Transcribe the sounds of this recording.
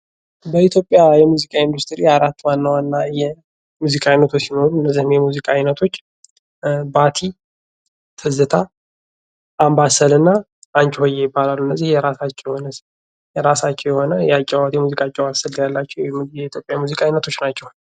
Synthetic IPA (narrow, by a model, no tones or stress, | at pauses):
bəit̪ʰjo̞pʼjajɛmuzikʼaind̪ust̪ʰʼɨɾijaɾat̪ːwanːawanːajɛ | muzikʼaajnət̪ʰosino̞ɾuɨnːəzːihɨmjɛmuzikʼajnət̪ʰo̞t͡ʃː | bat̪ʰi | t̪ʰɨzɨt̪ʰa | ʔambasəlɨnːa | ʔaɲt͡ʃʼhojːejɪbːalalːuɨnːəzːihjɛɾasat͡ʃːɪjhonəs | jɛɾasat͡ʃːɛwjɛho̞nəjat͡ʃʼːɛwat̪jɛmuzikʼat͡ʃʼːɛwasəljalːat͡ʃːɛwjɛit̪ʰjo̞pʼjajmuzikʼajnət̪ʰot͡ʃːnat͡ʃːɛw